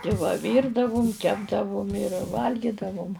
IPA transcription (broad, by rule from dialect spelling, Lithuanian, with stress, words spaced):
tʲɪ ˈʋɐ ˈʋʲiːrdɐʋʊm ˈkʲæːbdɐʋʊm ɪr ˈʋɐlʲɡʲiːdɐʋʊm